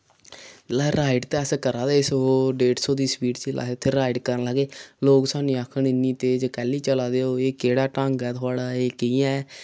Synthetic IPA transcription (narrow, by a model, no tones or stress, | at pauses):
laːɾaːɪɖt̪eːəskəɾaːd̪eːɪsɦoːɖeːʈsoːd̪iːspiːʈt͡ʃiːlʔa̰ːɦet̪ʰːeɾɾaːɪɖkəɾnləɡeːloːksaːnĩːaːkʰəɳɪnĩːt̪eːd͡ʒəkɛːliːt͡ʃəlaːd̪eːoːeːkeːɽaːʈãːŋɡɛːt̪ʰʊaːɽaːeːkiːɛ̃